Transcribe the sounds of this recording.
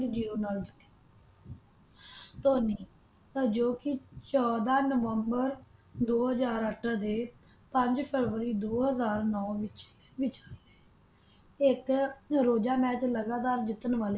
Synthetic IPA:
d͡ʒiːoːnəld̪kː | t̪oːniː | t̪ad͡ʒoːkɪt͡ʃɔːd̪aːnəʋəmbəɾd̪oːɦəzaːɾəʈʰad̪eː | pə̃ɲd͡ʒpʰəɾʋəɾiːd̪oːɦəzaːɾnɔːʋɪt͡ʃ | ʋɪt͡ʃaːiːɛː | ɪkɾoːd͡ʒaːmɛːt͡ʃləɡaːt̪aːɾd͡ʒɪt̪ːənʋaːleː

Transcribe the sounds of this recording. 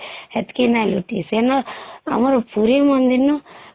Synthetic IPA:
et̪kinaluʈḭsenːoɐ̰mɐɾupuːɾimɐnd̪inːu

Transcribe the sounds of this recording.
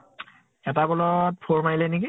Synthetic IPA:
ɛtabɔlɔt̚pʰoɹmailɛneki

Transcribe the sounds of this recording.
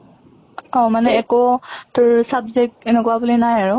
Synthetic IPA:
ɔ̃manɛːkɔtʊɹsabzɛk̚tɛnɛkɔwabulinajaɹʊ

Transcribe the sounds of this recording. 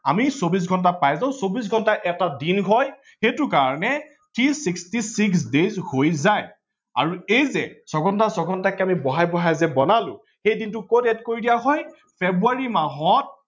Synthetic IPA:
amisobis̬ɡʱɔnt̬apajzaʊ̃sobis̬ɡʱɔntaʔɛtadinɡʱɔj | xetʊkaɹɔnɛ | tʰisikstisiks̬dezhojzaj | a̰ɹuejzɛsɔɡɔntasɔɡʱɔntakɛamibɔɦajbɔɦajzɛbɔnalʊ̰̃ | xejdintʊkotɛtkoɹidijaɦɔj | pʰebuaɹimaɦɔt̚

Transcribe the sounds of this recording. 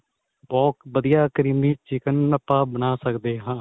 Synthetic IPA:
bɔːt̪ʋəd̪ijaːkəɾiːmiːt͡ʃɪkənəpːaːbənaːsəkd̪eːɦãː

